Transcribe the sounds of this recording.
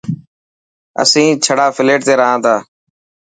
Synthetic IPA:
ə̰sĩːt͡ʃʰəɽaːfʰɪleːʈ̚t̪eːɾəɦãːt̪aː

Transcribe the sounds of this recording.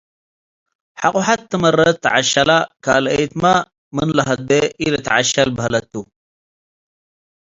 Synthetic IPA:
ħaqʼʊħat̪ːɨmɐrːɐt̪ʰːɐʕaʃɐlakaːlɐjt̪ma | mɨnlɐɦɐd̪eʔilɐt̪ʰɐʕaʃɐlbɐɦlɐt̪ːu

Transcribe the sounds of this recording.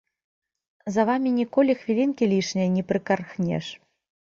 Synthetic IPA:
zɐvamʲinʲikɔlʲixvʲilʲinkʲilʲiʂnʲɐjɐnʲipɾɨkarxnʲɛ̰ʂ

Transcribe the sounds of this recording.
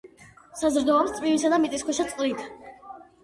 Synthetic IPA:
sazɾd̪ɔapst̪sʼmivisad̪amit̪ʼiskwɛʃat̪sʼqʼlit̪ʰ

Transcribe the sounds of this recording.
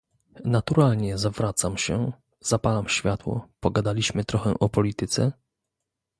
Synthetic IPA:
nat̪uɾalɲɛzavɾat̪samɕɛ | z̥apalamɕfʲjat̪wɔ̰pɔɡad̪alʲiɕmɘt̪ɾɔxɛʔɔpɔlʲit̪ɘt̪sɛ

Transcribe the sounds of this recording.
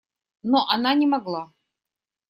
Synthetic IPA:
noʔɐnanʲɪmɐɡlˠa

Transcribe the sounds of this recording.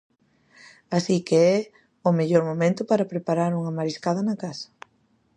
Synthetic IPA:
asikeɛ | ʊmeʎoɾmomẽnt̪ʊpaɾɐpɾepaɾaɾuŋamaɾiskaðɐnɐkasɐ̥

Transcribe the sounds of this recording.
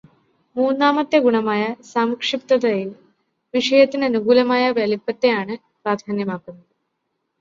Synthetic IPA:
muːnːaːmɐt̪jɐɡuɳɐmaːjɐsaːmɐkʂip̚t̪ɐðɐjil | ʋiʂɐjɐt̪ːinɐnuɡuːlɐmaːjɐʋelipːɐt̪ːe̞jaːɳɨ | pɾaːd̪ʱaːnjɐmaːkːunːɐðɨ

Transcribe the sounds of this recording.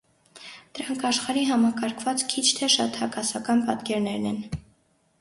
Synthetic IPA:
d̪̥əɾɑŋkʰɑʃχɑɾiɦɑmɑkɑɾkʰvɑt͡skʰit͡ʃʰt̪ʰɛʃɑ̰t̪hɑkɑsɑkɑnpɑt̪kɛɾnɛɾnɛn

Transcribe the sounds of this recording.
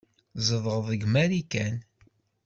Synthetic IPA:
zəðˤʁəðˤəɡmæɾikæn

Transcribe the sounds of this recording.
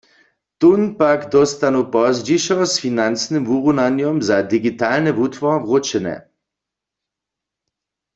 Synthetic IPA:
t̪unpakd̪ɔst̪anupɔzd͡ʒiʃɔsfinansnɨmvuʁunanjɔmzad̪iɡit̪alnɛvut̪ʋɔvʁot͡ʃɛnɛ̰

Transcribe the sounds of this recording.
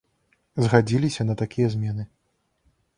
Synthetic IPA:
zɣad͡zʲilʲisʲɐnɐt̪akʲijɐzʲmʲɛnɨ

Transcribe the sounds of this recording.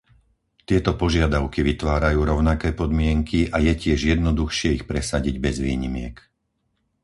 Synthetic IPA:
t̪ɪɛt̪ɔpɔʒɪad̪aʊkiʋit̪ʋaːɾajuːɾɔʊnakɛːpɔd̪mɪɛŋkʰiʔajɛcɪɛʒjɛd̪nɔd̪uxʃɪɛixpɾɛsaɟiɟbɛzʋiːɲimɪɛk

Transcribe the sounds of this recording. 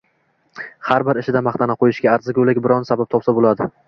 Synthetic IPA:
haɾbɪɾɪʃɪd̪amaχt̪ʰanaqʰojɪʃɡʲaːɾzɪɡʲolɪɡʲbɪɾɒnsabap̚t̪ʰɒpsabolad̪ɪ

